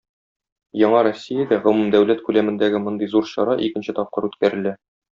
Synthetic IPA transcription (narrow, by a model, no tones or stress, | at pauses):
jɒɴɑɾosʲːijad̪æʁŏmumd̪æwlæt̪kʉlæmɘ̆nd̪æɡɘmŏnd̪ɤjzuɾɕɒ̰ɾɑʔikɘ̆nɕɘt̪ɒp̚qɤɾʉt̪kæɾɘ̆læ